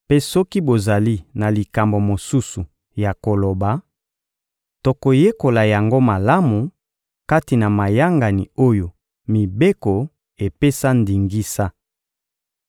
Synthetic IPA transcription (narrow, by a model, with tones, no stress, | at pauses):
pe˦sɔ˦ki˦bo˨za˨li˦na˨li˨ka˨mbo˨mo˨su˦su˨ | ja˨ko˨lo˨ba˨ | to˨ko˨je˦ko˨la˨ja˨ŋɡo˦ma˨la˦mu˨ | ka˦ti˨na˨ma˨ja˦ŋɡa˨ni˨o˦jo˨ | mi˨be˦ko˨ | e˨pe˦sa˦ndi˨ŋɡi˦sa˦